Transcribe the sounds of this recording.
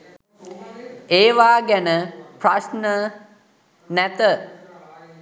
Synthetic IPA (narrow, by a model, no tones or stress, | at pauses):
eːʋaːɡænəpraʃnə | næt̪ə